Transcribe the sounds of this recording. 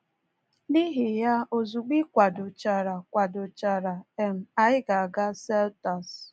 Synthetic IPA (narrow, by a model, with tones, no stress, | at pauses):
ni˦ɦɪ˨ja˦o˨zu˨ɡ͡bi˦kʷa˨dʊ˨t͡ʃa˨ɾa˨kʷa˨dʊ˨t͡ʃa˨ɾa˨e˨m̩˨a˨ɪ˦ɡa˨a˨ɡa˦se˦lta˨s